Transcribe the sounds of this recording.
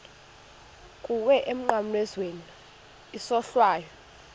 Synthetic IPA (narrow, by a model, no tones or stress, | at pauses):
kʼuwɛʔem̩ŋ͡ǃam̩lwɛzwen | isɔɬwaːjɔ